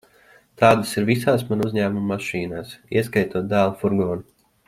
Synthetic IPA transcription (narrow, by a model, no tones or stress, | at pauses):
t̪aːd̪asiɾvisaːs̬manuzʲɲæːmumːaʃiːnaːsiɛskajt̪uːd̪æːlˠfuɾɡɔːn